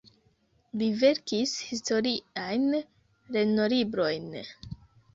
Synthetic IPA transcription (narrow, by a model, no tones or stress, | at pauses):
live̞ɾkishisto̞ɾiajn | ɾeno̞libɾo̞jn